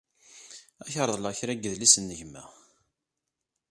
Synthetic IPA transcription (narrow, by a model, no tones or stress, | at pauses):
æçəɾˤðˤlɑçɾæɡəðlisənːəʝmæ̰